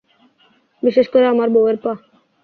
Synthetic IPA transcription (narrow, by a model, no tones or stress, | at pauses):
biʃeʃkoɾeamaɾboeɾpa